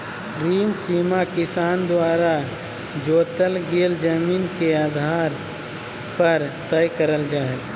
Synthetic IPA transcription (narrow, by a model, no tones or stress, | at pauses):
ɾiːnsiːmakɪsaːnd̪waːɾa | d͡ʒoːt̪əlɡeːld͡ʒəmiːnkeaːd̪ʱaːɾ | pəɾt̪əjkəɾəld͡ʒaːɦel